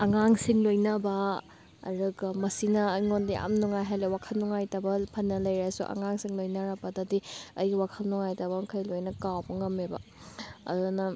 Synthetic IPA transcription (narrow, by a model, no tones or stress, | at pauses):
ɐŋaŋsiŋlojnɐbɐ̰ː | ɾuɡɐmɐsinɐːjŋondiʔa̰mnuŋajɦajlewakʰɐlnuŋajtɐbɐpʰɐnːɐlɐjɾasṵʔɐ̰ŋaŋsiŋlojnɐɾɐbɐdɐdiɐjɡwakʰɐlnuŋajtɐbɐmkʰɐjlojnɐkawbɐŋɐmebɐ̰ɐ̰dunɐ